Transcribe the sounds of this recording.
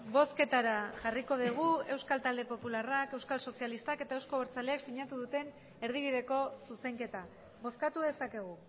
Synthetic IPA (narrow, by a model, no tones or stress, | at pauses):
bo̞ske̞t̪aɾaʝariko̞ð̞iɣ̞ue̞wskalt̪ald̪e̞po̞pularake̞wskalso̞sialist̪ake̞t̪aewsko̞oɾt͡sale̞aksiɲat̪uðut̪e̞n | e̞ɾð̞iβ̞iðe̞ko̞suse̞ŋke̞t̪a | βo̞skat̪uðe̞sake̞ɣ̞u